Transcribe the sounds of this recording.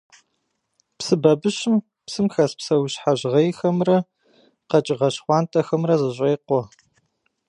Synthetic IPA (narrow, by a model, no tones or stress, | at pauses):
psɨbɐbɨɕɪm | psɨmxɐspsɐwɕħaʑʁɐjxɐmrɐ | qɐt͡ʃʼɪʁɐɕχʷɑːntʰʼɐxɐmrɐzɨɕʷʼejqʷɔ